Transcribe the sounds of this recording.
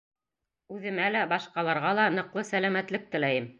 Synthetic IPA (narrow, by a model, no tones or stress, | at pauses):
ʉðɘ̆mælæbɑʃqɑlˠɑɾʁɑlˠɑnɤ̆qlˠɤsælæmæt̪lɘk̚t̪ɘ̆læjɘm